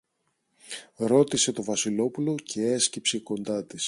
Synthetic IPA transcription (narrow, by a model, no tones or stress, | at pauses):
ɾo̞t̪ise̞t̪o̞vɐsilo̞pulo̞cʰe̞escipseko̞nd̪ɐt̪is